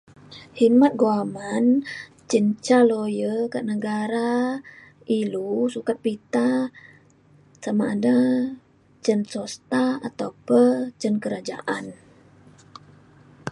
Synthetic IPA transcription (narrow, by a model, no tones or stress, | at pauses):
himat̪̚ɡoaman | t͡ʃənt͡ʃalojəkaʔnəɡaɾa | ilusukat̪̚pit̪a | samaːda | t͡ʃənsɔst̪aat̪aupət͡ʃənkəɾad͡ʒa̰ʔan